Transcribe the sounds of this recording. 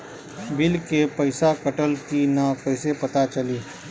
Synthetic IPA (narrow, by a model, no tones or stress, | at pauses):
bɪlkepɐɪsakəʈəlkinakɐɪsepɐt̪at͡ʃɐliː